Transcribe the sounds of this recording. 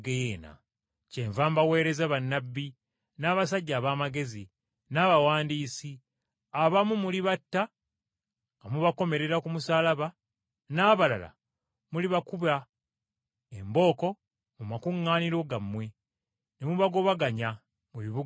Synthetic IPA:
ɡejeːna̰ | ceɱvaːmbawe̞ːɾe̞zaβanːabːi | naːβasaɟːaːβaːmaɡe̞zi | naːβawaːndiːsi | aβamumuliβatːa | ŋamuβako̞me̞ɾe̞ɾakumusaːlaβa | naːβala̰la̰ | muliβakuβa | embo̞ːko̞ | mumakuŋːaːniɾo̞ɡamwe̞ | nemuβaɡo̞βaɡaɲa | muβiβu

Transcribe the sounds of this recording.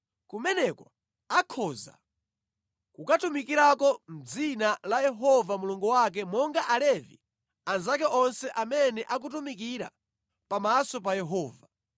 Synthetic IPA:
kumɛnɛkɔ | akʰɔza̰ | kukatumikiɾakɔm̩d͡zinalajɛɦɔvamuluŋɡuwak̬ɛmɔŋɡaʔalɛvḭ | anzak̬ɛʔɔnsɛʔamɛnɛʔak̬ut̬umik̬iɾa̰ | pamasɔp̬ajɛɦɔːva

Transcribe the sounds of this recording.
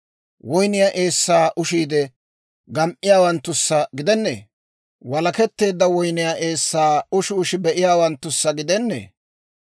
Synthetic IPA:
wɔjnɪjaʔe̞ːsːaːʔʊʃiːd̪ɛ | ɡɐmʔɪjaːwɐnt̪ːʊsːɐɡɪd̪ɛnːḛː | wɐlɐkɛt̪ːe̞ːd̪ːɐwɔjnɪjaʔe̞ːsːaːʊʃɪʊʃɪbɛʔɪjaːwɐnt̪ːʊsːɐɡɪd̪ɛnːḛː

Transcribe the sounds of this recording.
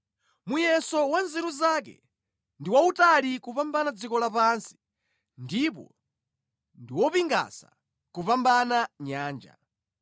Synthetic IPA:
mujɛsɔwanzɛɾuzaːkɛ̰ | ndiwautalikupambanad͡zikɔlapansi̥ | ndipɔ̰ | ndiwɔpiŋɡa̰sa̰ | kupambanaɲaːnd͡ʒa̰

